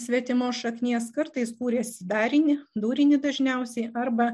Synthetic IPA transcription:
sʲʋʲiɛt̪ʲɪmoːsʃɐknʲiɛskɐɾt̪ɐɪskuːɾʲeːsʲɪd̪ɑːɾʲɪnʲɪd̪uːɾʲɪnʲɪd̪ɐʒʲnʲɛʊsʲɛɪɐɾbɐ

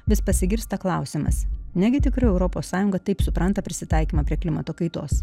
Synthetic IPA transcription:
ʋʲɪspɐsʲɪɡʲɪɾʲst̪ɐklˠɑʊsʲɪmɐ̰snʲæɡʲɪt̪ʲɪkɾɐɪɛʊɾɔpoːsːɑːjʊŋɡɐt̪ɐɪpsʊpɾɐnt̪ɐpʲɾʲɪsʲɪt̪ɑˑɪkʲiːmɐpʲɾʲiɛklʲɪmɐt̪oːkɐɪt̪oːs

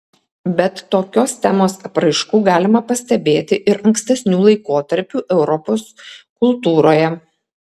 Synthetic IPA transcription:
bʲɛt̪ːoːkʲoːst̪ʲæmoːsɐpɾɐɪʃkuːɡɑːlʲɪmɐpɐsʲt̪ʲɛbʲeːt̪ʲɪʔɪɾɐŋksʲt̪ʲɛsʲnʲuːlˠɐɪkoːt̪ɐɾʲpʲuːʔɛʊɾɔpoːskʊlˠt̪uːɾoːjɛ

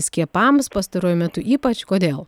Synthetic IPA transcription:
sʲkʲiɛpɐmspɐst̪ɐɾoːjʊmʲɛt̪ʊʔiːpɐt͡ʃkoːd̪ʲeːlˠ

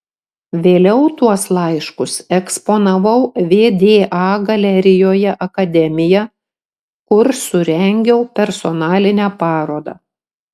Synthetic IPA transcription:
ʋʲeːlʲɛʊt̪uɔslˠɐɪʃkʊsɛkspoːnɐʋɐʊʋʲeːd̪ʲeːʔɑːɡɐlʲɛɾʲɪjoːjɛʔɐkɐd̪ʲɛmʲɪjɛ | kʊɾsʊɾʲɛŋʲɡʲɛʊpʲɛɾsɔnɑːlʲɪnʲæːpɑːɾoːd̪ɑ̰ː

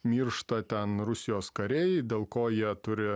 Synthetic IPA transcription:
mʲiːɾʃt̪ɐt̪ʲɛnɾʊsʲɪjoːskɐɾʲɛɪd̪ʲeːlˠkoːjiɛt̪ʊɾʲɪ

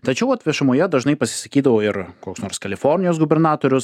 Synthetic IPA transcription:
t̪ɐt͡ʃʲɛʊɐt̪ʲʋʲiɛʃɐmoːjɛd̪ɐʒnɐɪpɐsʲɪ̥sɐkʲiːd̪ɐʋoːɪɾkoːksnoːɾskɐlʲɪfɔɾʲnʲɪjoːsɡʊbʲɛɾnɑːt̪oːɾʲʊs

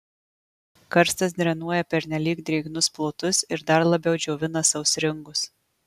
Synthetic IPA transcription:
kɐɾst̪ɐs̬d̪ʲɾʲɛnuɔjɛpʲɛɾʲnʲɛlʲiːkd̪ʲɾʲɛɪɡnʊsplˠoːt̪ʊsɪɾd̪ɐɾlˠɐbʲɛʊd͡ʒʲoːʋʲɪnɐsɐʊʊsɾʲɪŋɡʊs

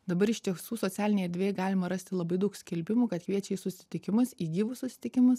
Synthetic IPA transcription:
d̪ɐbɐɾɪʃʲt̪ʲiɛsuːsoːt̪sʲæːlʲɪnʲɛɪɛɾʲd̪ʋʲeːjɛɡɑːlʲɪmɐɾɐsʲt̪ʲɪlˠɐbɐɪd̪ɐʊksʲkʲɛlʲbʲɪmuːkɐt̪kʋʲiɛt͡ʃʲɛɪsʊsʲɪ̥t̪ʲɪkʲɪmʊsiːɡʲiːʋʊssʊsʲɪ̥t̪ʲɪkʲɪmɐs

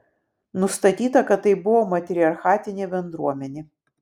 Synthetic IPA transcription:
nʊst̪ɐt̪ʲiːt̪ɐkɐt̪ːɐɪbʊʋomɐt̪ʲɾʲɪɐɾxɑːt̪ʲɪnʲebʲɛnd̪ɾuɔmʲɛnʲe

